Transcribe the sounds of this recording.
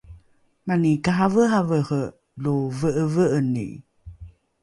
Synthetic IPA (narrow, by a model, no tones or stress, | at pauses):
manikaɦavəɦavəhə | luvəʔəvəʔənḭ